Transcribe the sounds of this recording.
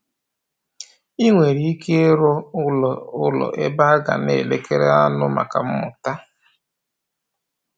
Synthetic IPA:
i˦ŋʷe˨ɾi˨i˦kʰe˦ɾɔ˦˨ | ʊ˦lɔ̰˨ʔe˦ba˦a˦ɡa̰˨ne˨le˦ke˦ɾe˦a˦nʊ˦ma̰˨ka˨m̩˦mʊ˨ta˦

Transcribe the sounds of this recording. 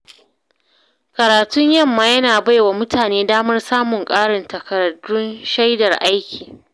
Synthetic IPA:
kɐ˨ɾaː˨tʊ˦ɲjɐ˦mːaː˨jɐ˦naː˨ba˦jwaː˨mʊ˦tʰaː˨neː˦daː˦mɐ˦rsaː˦mʊ˨ŋkʼaː˦ɽɪ˨ntɐ˨kɐ˨ɾɐ˨dʊ˦nʃa˦jdɐ˨rʔa˦jkʲʰiː˨

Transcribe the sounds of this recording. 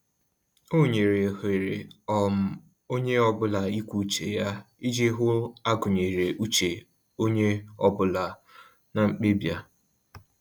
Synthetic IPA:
o˦˨ɲe˨ɾe˨ɦe˨ɾe˨ɔ˨m̩˨ | o˦ɲe˦ɔ˦bʊ˦la˨i˦kʷu˨˦t͡ʃe˨ja˦i˦d͡ʒe˦ɦʊ˦a˦ɡʊ˨ɲe˨ɾe˨ʔu˦t͡ʃe˨ | o˦ɲe˦ɔ˦bʊ˦la˨ | na˨ŋ͡m̩˦k͡pe˦bja˦

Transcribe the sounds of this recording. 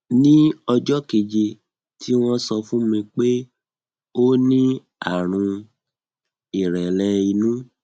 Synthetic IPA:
nĩ˦ɔ˧d͡ʒɔ˦ke˨d͡ʒe˧ | tʰi˦w̃ɔ̃˦sɔ˧fũ˦mĩ˧k͡pe˦ | o˦nĩ˦ | a˦˨ɾ̃ũ˧ | i˨ɾɛ˨lɛ˧i˧nũ˦

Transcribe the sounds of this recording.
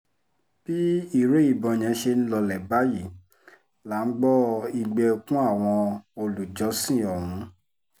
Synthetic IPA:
b̥i˦i˦˨ɾe˦i˦˨bɔ̃˨˧j̃ɛ̃˧˦ʃe˧n̩˦lɔ˧lɛ˨ba˦ji˦˨ | la˨˦ŋ̩˦ɡ͡bɔ˦i˧ɡ͡bɛ˧kũ˦a˦˨w̃ɔ̃˧o˧lu˨d͡ʒɔ˨˦sĩ˦˨ɔ˨ɾũ˨˦

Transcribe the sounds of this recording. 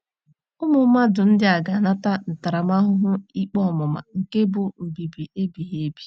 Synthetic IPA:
ʊ˦mʊ˨˦ma˦dʊ˨n̩˦dɪ˦a˨ɡa˨na˦ta˦n̩˨ta˨ɾa˨ma˦ɦʊ˦ɦʊ˦i˦k͡pɔ˦˨mʊ˨ma̰˨ŋ̩˨ke˦bʊ˨m̩˨bi˨bi˨e˦bi˨ɦe˦e˦bi˦

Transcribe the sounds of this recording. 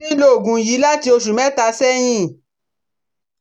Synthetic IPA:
i˦lo˦˨ɡũ˨ji˨˦la˦ti˧o˧ʃ̬u˨mɛ̃˦ta˧sɛ˦j̃ĩ˦

